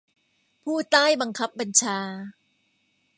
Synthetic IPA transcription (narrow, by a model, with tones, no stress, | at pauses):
pʰuː˥˩t̪aː˥˩jba˧ŋkʰa˦˥p̚ːa˧nt͡ɕʰaː˧